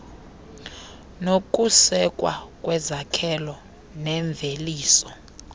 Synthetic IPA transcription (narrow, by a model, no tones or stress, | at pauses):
nok̬ʼusɛkʼwa̰kʼwɛzakʰɛlɔ | nɛɱb̪vʱeliːsɔ